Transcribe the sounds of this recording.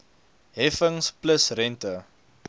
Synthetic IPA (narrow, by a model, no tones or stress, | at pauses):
ɦɛfəŋspləsrɛntə